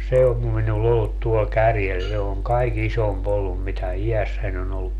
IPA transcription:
se om minulː olːut tuol kærjel se oŋ kɑik isomp olːum mitæ ijæsːæn on olːuk

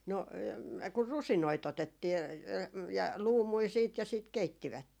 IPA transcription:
no kur rusinoit otetːiː jɑ jɑ luːmui siːt jɑ siˑt keitːiʋætːen

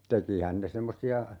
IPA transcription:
tekihæn ne semːosiɑ

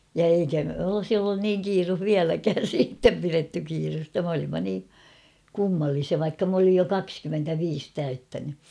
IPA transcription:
jɑ eikæ olŏsi olːun niːŋ kiːruh ʋiælækæːn̞ siːtːem piretːy kiːrustɑ m olimːɑ niː kumːɑlːisiɑ ʋɑikːɑ m olij jo kɑkskymːentæʋiːs tæytːæny

